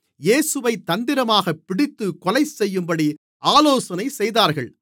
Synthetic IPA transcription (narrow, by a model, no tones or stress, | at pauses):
jeːsɯʋɐɪt̪ːɐnd̪ɪɾɐmaːɣɐpːɪɽɪt̪ːɯkɔlɐɪsɛjːɯmbɐɽi | aːloːsɐnɐɪsɛjðaːɾɣɐɭ